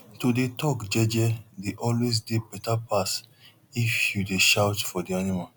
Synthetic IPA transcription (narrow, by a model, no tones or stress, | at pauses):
tudetɔkd͡ʒɛd͡ʒɛdeʔɔlwes̬debɛtapʰas | ifjudeʃawtfɔdianima